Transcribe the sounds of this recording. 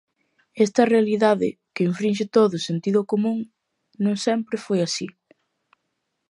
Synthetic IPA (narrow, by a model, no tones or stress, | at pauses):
ɛst̪ɐrealiðaðɪ̰kɪiɱfɾinʃ̬ɪt̪oðʊsent̪iðʊkomũŋ | nõŋsɛmpɾɪfojasi